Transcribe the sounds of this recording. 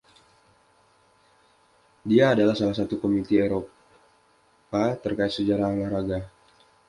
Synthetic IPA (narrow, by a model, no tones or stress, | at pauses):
diaːdalahsalahsat̪ukomit̪ieɾo | pat̪ərkaɪt̪̚səd͡ʒaɾaalahɾaɡa